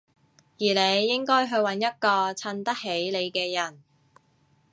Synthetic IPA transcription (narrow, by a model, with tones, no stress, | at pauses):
jiː˨˩le˨˧jːɪ˥ŋkɔː˥jɦɵ˨˧ɥwɐ˨˧˥njɐ˥t̚kɔː˧t͡sʰɐ˧nt̪ɐ˥k̚ɦe˨˥jle˨˧jkɛː˧jɐ˨˩n